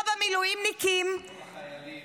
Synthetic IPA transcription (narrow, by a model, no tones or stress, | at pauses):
vamilujimnikim